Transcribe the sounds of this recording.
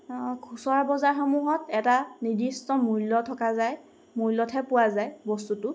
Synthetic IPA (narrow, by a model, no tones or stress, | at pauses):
kʰusɔɹabɔzaɹxɔmuɦɔtɛtanidistɔmuɹlɔtʰɔkazaj | muɹlɔtʰɛpʊwazajbɔstutʊ